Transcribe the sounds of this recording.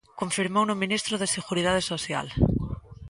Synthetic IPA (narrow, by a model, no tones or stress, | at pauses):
koɱfiɾmownomĩnist̪ɾoðeseɣuɾið̞að̞esoθja̰l